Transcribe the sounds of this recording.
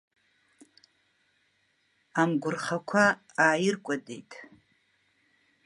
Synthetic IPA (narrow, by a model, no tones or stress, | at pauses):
amɡʷʊrχakʷʰa | aːjɪrkʷʼadḛjtʼ